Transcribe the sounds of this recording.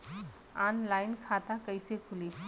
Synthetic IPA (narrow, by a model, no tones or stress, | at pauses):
aːnlaːɪnkʰaːt̪akəɪsekʰʊli